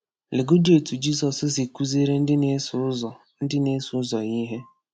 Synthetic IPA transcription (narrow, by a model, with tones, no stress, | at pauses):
le˨ɡo˦di˦˨o˨tu˨d͡ʒi˦sɔ˨sʊ˦si˨ku˦ze˦ɾe˦n̩˦dɪ˦ne˦˨ | n̩˦dɪ˦ne˦sʊ˨˦zɔ˨ɣi˦ɦe˦